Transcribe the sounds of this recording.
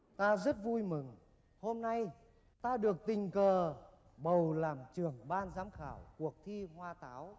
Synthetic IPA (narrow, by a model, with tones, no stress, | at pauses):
t̪aː˧zə˦˥t̚vu˧jmɨ˨˩ŋ | ho˧mna˧j | t̪aː˧ɗɨ˨˩ək̚t̪ï˨˩ŋ̟kəː˨˩ | ɓə˨˩wlaː˨˩mt͡ɕɨ˧˩əŋɓaː˧nzaː˨˦mxaː˧˩wku˨˩ək̚t̪ʰi˧hwaː˧t̪aː˨˦w